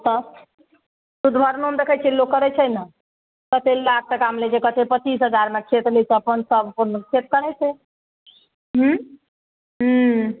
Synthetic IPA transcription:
t̪ə | sud̪bʱəɾnoəmd̪ekʰɛt͡ʃʰelokːəɾɛt͡ʃʰɛjnə | kət̪ʰelak̚ʰt̪əkamlet͡ʃʰekət̪ʰepət͡ʃis̬ɦəd͡ʒaɾmekʰet̪lɛt͡ʃʰeəpənsəbpənkʰet̪̚kəɾɛt͡ʃʰɛ | ɦ̩ | ɦ

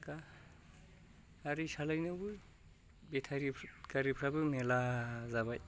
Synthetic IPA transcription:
ka | ɾisalajnɯbɯ | bet̪ʰaɾikaɾipʰɾabɯmelazaβaj

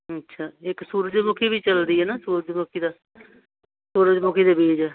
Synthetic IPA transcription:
ətːʃʰaːɪksuːɾəd͡ʒmʊkʰiːbiːt͡ʃəld̪iːɦɛːnaːsuːɾəd͡ʒmʊkʰiːd̪aː | suːɾəd͡ʒmʊkʰiːd̪eːbiːd͡ʒɛː

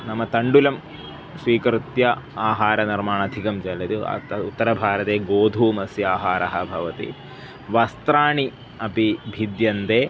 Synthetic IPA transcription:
nɐmːɐt̪ɐɳɖulɐm | sʋiːkɾut̪jɐaːɦaːɾɐnɐɾmaːɳɐd̪ʱikɐmd͡ʒɐlɐd̪uɐ̰ɐut̪ːɐɾɐbʱaːɾɐt̪eːɡoːd̪ʱuːmɐsjaːɦaːɾɐɦɐbʱɐʋɐt̪ḭ | ʋɐst̪ɾaːɳi | ɐpibʱid̪jɐnt̪eː

